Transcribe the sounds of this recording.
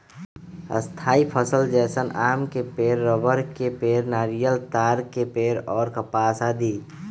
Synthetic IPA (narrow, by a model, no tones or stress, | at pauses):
ə̰st̪ʰaːipʰəsəld͡ʒɛːsənʔaːmkepeːɾːəbəɾkepeːɾnaːɾijəlt̪aːɾkepeːɾɔːɾkəpaːsaːd̪iː